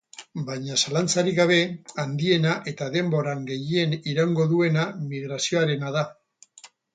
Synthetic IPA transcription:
bajɲasalant͡saɾiɣaβ̞e̞and̪ie̞naʔe̞t̪aðe̞mbo̞ɾaŋɡe̞jie̞niɾaŋɡo̞ðue̞namiɣɾasio̞aɾe̞naða

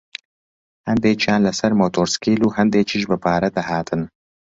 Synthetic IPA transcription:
hɛnd̪eːt͡ʃʰijaːnlɨsɛɾmoːt̪ʰoːɾskiːluːhɛnd̪eːt͡ʃʰiʃbɨpʰaːɾɛd̪ɐhaːt̪ʰɨn

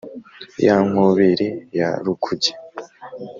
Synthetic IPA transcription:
jaŋ̥oβeɾeja̰ɾukʰuɟe̥

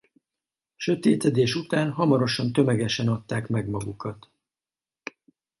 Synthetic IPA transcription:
ʃø̞t̪eːt̪ɛd̪eːʃut̪aːnɦɒmɒɾo̞ʃɒnt̪ø̞mɛɡɛʃɛnɒt̪ːaːkmɛɡmɒɡukɒt̪

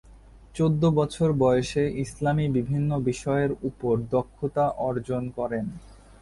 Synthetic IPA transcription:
t͡ɕod̪ːobɔt͡ɕʰoɾbɔjeʃeʔislamibibʱinːobiʃɔeɾupoɾd̪okʰːot̪aʔɔɾd͡ʑonkɔɾen

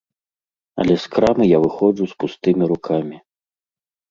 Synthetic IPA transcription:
ɐ̰lʲɛskɾamɨjavɨxɔd͡zuspust̪ɨmʲiɾukʰamʲi

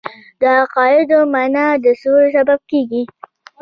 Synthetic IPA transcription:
d̪əaqɑjɪd̪omanɑd̪əsoɾs̬abab̚keɡi

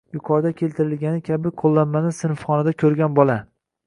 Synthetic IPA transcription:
jʊqʰɒɾd̪akʲʰe̞lt̪ʰɪɾɪlɡʲanɪkʲʰabɪqʰolˠːanmanɪsɪnfχɒnad̪akʲʰɵɾɡʲanbɒlˠa

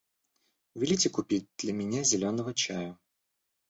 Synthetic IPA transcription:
vʲilʲitʲɪkʊpʲit̚ʲd̪̥lʲɐmʲɪnʲazʲɪlʲonəvət͡ɕajɐ

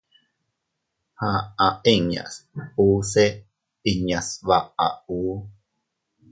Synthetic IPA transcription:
haaʔeɲa̰suːse | iɲaswaa̰uː

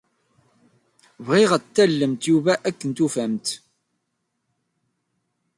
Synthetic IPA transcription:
vʁiʁət̪ːælːəmt̪juvæʔækːənt̪ufæmt̪

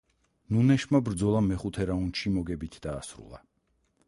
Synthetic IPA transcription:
nunɛʃmabɾd̪zɔlˠamɛχut̪ʰɛɾaunʃimɔɡɛbit̪ʰd̪aːsɾṵlˠa̰

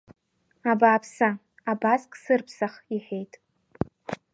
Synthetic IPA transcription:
abaːpʰsa | abaskʼsɨrpʰsaχiħʷᶣejtʼ

